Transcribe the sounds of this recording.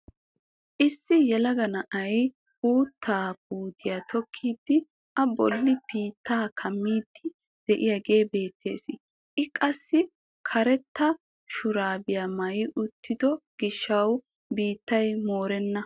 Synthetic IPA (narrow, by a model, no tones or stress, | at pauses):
ʔɪsːɪjɛlɐɡɐnɐʔɐj | uːt̪ːaːb̚uːd̪ɪjaːt̪ʰɔkʰːiːd̪ːɪ | ʔɐbɔlːɪbiːt̪ʰːaːkʰɐmːiːd̪̥ːɪ | d̪̥ɛʔɪjɐɡe̞ːbe̞ːt̪ːe̞ːsɪ | ʔɪkʼɐsːɪ | kʰɐɾɛt̪ːɐ | ʃʊɾaːbɪjamɐjɪʔʊt̪ʰːɪd̪ɔɡ̥ɪʃːɐw | biːt̪ːɐjmoːɾɛnːɐ